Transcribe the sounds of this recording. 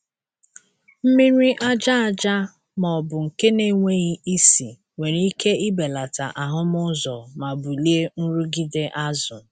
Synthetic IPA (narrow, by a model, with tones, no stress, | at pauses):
m̩˦mi˦ɾi˦ʔa˦d͡ʒa˦a˨d͡ʒa˦ | mɔ˨bʊ˨ŋ̩˨ke˦ne˦˨˦ŋʷe˦ɣi˦i˦si˨ | we˨ɾi˦ke˦i˦be˨la˨ta̰˨ʔa˨ɦʊ˦mʊ˦zɔ˨ma˨bu˨li˦e˦n̩˦ɾu˦ɡi˦de˦ʔa˦zʊ˨